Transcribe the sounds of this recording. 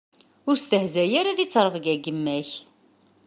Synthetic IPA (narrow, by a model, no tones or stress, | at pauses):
ʊɾst̪əhzæjaɾaðit͡sːɾˤəvɡæɡəmːæç